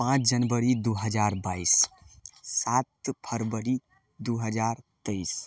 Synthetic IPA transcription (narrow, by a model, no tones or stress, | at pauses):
pãt͡ʃʰd͡ʒənbəɾid̪uɦəd͡ʒaɾbais | sat̪pʰəɾbəɾi | d̪uɦəd͡ʒaɾt̪əis